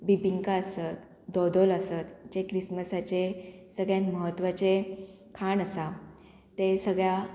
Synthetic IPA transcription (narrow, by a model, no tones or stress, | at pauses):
bibiŋkaəsət̪ | d̪ɔd̪oləsət̪d͡ʑekɾisməsat͡ɕesəɡɭjãnməɦət̪ːʋat͡ɕe | kʰanəsa | t̪esəɡɭja